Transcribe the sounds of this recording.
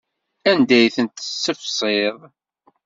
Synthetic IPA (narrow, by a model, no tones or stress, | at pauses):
ænd̪æjθənt̪əsːəfsˤeðˤ